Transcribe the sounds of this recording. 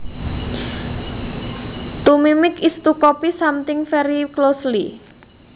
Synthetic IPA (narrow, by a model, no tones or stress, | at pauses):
t̪umimɪkist̪ukɔpisamt̪ɪŋfɛɾiklosli